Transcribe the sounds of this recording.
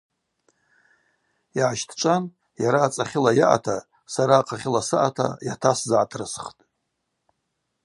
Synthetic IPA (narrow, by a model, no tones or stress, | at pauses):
aʕaʃtʰt͡ʃʷʼan | jaɾaːt͡sʼaχʲɪlajaʔa̰tʰa | saɾaːqʰʼaχʲɪlasɨʔa̰tʰa̰jatʰaszaʕatʰrɨsχtʼ